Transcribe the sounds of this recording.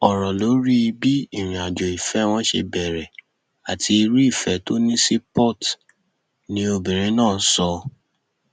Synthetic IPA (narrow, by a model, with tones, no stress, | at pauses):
ɔ˨ɾɔ˨lo˨˦ɾi˦i˧bi˦i˦˨ɾ̃ĩ˨a˨d͡ʒo˨i˨fɛ˨˦w̃ɔ̃˦ʃḛ˧bɛ˨ɾɛ˨ | a˨tʰi˧i˧ɾi˦i˦˨fɛ˨˦to˦nĩ˦si˦pɔ˦˨t | nĩ˧˦o˧bĩ˨ɾ̃ĩ˨˧˦nãː˦˨n̩˦sɔ˧